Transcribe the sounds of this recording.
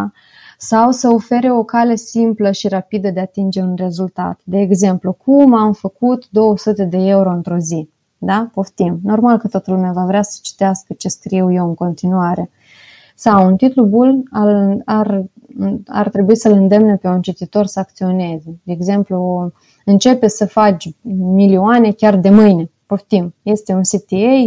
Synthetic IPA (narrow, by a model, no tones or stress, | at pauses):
sawsəo̞fe̞ɾe̞o̞kale̞simpləʃiɾapid̪əd̪e̞at̪ind͡ʒe̞unre̞zult̪a̰t̪d̪e̞ːɡze̞mplukʰumamfəkut̪d̪o̞wəsut̪e̞d̪e̞e̞uɾo̞ɨnt̪ɾo̞zi | d̪apo̞ft̪imno̞rmalkət̪oat̪əlumeavavɾeasə̥t͡ʃi̥t̪easkət͡ʃe̞skɾiwje̞wɨŋko̞nt̪inuaɾe̞ | sawunt̪it̪lubulalar | a̰rt̪ɾe̞buisəlɨnd̪e̞mnepe̞unt͡ʃit̪it̪o̞rsəak̚t̪sio̞ne̞zed̪e̞ːɡze̞mplu | ɨnt͡ʃe̞pe̞səfat͡ʃʲmilioane̞kʲard̪e̞mɨjne̞poft̪imje̞st̪e̞unsit̪iej